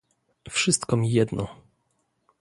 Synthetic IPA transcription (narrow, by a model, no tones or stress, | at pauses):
fʂɘst̪kɔmʲijɛd̪nɔ